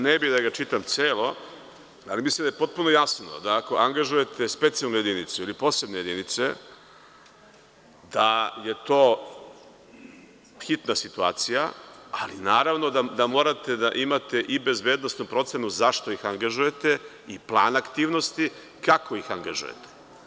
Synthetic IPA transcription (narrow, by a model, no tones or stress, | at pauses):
nebid̪aɡat͡ʃit̪amt̪seːlo̞ | alimislimd̪ajepo̞t̪̚punojasno̞̰d̪aako̞ʔaŋɡaʒuje̞t̪espet̪sialnoje̞d̪init̪suilipo̞ːse̞bneje̞d̪init̪se̞ | d̪aje̞t̪o̞ː | xit̪nasit̪uaːt̪sijaalinaːɾaʋno̞d̪ad̪amo̞ːɾat̪e̞d̪aʔimat̪eʔibe̞zbeːd̪nost̪nupɾo̞t̪se̞nuzaʃt̪o̞ixaŋɡaʒuje̞t̪e̞ | iplˠaːnakt̪iːʋno̞st̪i | kakʰo̞ixaŋɡaʒṵjḛt̪e̥